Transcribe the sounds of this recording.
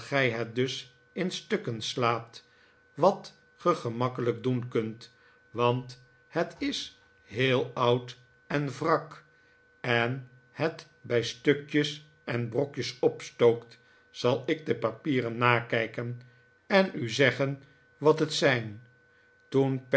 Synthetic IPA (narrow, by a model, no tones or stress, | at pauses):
χɛjɦɛt̚dɵs | ɪnstøkənslaːp̚t | ʋɑt | χəχəmɑkələk̚dunkɵnt | ʋɑnt | hətɪs | ɦɪːlˠʌwt | ɛnvrɑk | ɛn | hət | bɛjstøkjəs | ʔɛnbrɔkjəsɔpstowkt | sɑlˠɪɡ̚dəpapiːrənːaːkɛjkən | ɛnyzɛχən | ʋɑtɦətsɛjn | tunp